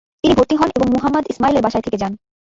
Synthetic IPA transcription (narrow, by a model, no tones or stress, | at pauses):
t̪inibot̪ːiɦɔneboŋmoɦamːɐd̪ismaileɾbaʃajt̪ʰeked͡ʑan